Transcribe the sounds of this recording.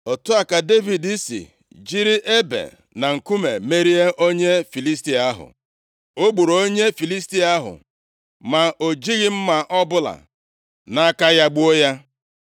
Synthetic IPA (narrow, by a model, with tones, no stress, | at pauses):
ɔ˨tʊ˦a˨ka˨de˦vi˨di˦sḭ˨ | d͡ʒi˦ɾi˦ʔe˦bḛ˨ | na˨ŋ̩˨ku˦me˨me˦ɾi˦e˦ʔo˦ɲe˦fi˨li˦sti˨˦a˦ɦʊ̰˨ | o˦ɡ͡bu˨ɾo˨o˦ɲe˦fi˨li˦sti˦a˦ɦʊ̰˨ | ma˨ʔo˨d͡ʒi˦ɣɪ˦m̩˦ma˨ʔɔ˦bʊ˦la̰˨ | na˦ka˦ja˦ɡ͡bu˦o˦ja˦